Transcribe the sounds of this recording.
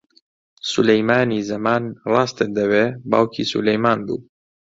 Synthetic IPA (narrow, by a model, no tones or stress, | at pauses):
sulejmaːniːzɐmaːnrɑːst̪əd̪ɐweːba̰ːwkʰḭːsṵlejmaːnbṵː